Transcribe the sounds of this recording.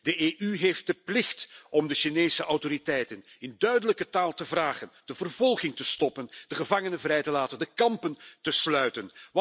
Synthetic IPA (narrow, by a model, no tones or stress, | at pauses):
dəʔeːʔyɦeːft̚d̥əplɪxtɔmdəʃineːsəʔɑwtoɾitɛjtən | ɪndœɥdələkətaːlˠtəvraːχənd̥əvərvɔlˠɣɪŋtəstɔpənd̥əɣəvɑŋənəvrɛjtəlaːtəndəkɑmpəntəslœɥtən